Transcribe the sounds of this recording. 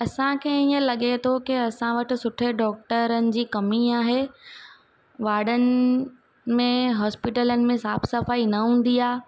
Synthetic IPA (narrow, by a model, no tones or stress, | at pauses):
ɐsãkʰẽːiːə̃lɐɠet̪ʰokɪɐsãʋɐʈɪ̆sʊʈʰeɖɔːk̚ʈəɾənɪ̆d͡ʑiːkɐmiaːɦe | ʋaːɗənɪ | mẽɦɔːspɪʈələnɪ̆mẽsaːbsɐfaːinɐɦũːn̆d̪iaː